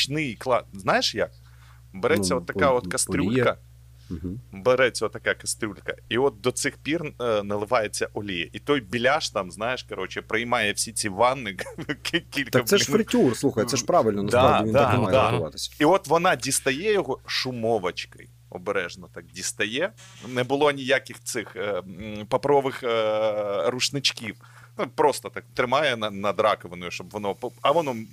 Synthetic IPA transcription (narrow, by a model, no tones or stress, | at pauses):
t͡ʃnɪjiklˠɑznajɪʂjak̚ | bɛɾɛsʲːɐɔt̪ːɐkaot̪kɐst̪ɾʲulʲkɐ | beɾɛt͡sʲːɐot̪ːɐkakɐst̪ɾʲulʲkɐ̰iɔt̪̚d̪ɔt̪sɪxpʲirnɐlˠɪʋajet͡sʲːɐʔɔlʲijɛ̰ʔit̪ojbʲilʲaʃt̪amznajɪʃkɐɾot͡ɕɪpɾɐjmɑjɛfsʲit͡sʲiʋɑnːɨikʲilʲk̪ɐɛɾɪtʲursˠuxɐjt̪sɛʃpɾɑʋɪlʲnɔnɐsd̪aɾavʲɪʋind̪ɐmajd̪aɪʋɑ̰t̪ɪsʲiɔt̪ʋɔnɑdʲist̪ɐjɛjɔɦɔʂʊmɔʋɐt͡ʃkɐ̰j | ɔ̰bɾɛʒnɐt̪ɑk̚dʲist̪ɐjɛ | nɛbɨlˠonʲɪjakʲɪxt̪sɪx | pɐpɾɔʋɪx | rʊʂnɪt͡ʃkʲif | upɾost̪ɐt̪ɑk̚t̪ɾɪmɑjɛnɐnɐd̪ɾɑkɔʋɐnʊjʊʃɔbʋɔnɔpɐʋɔnɔm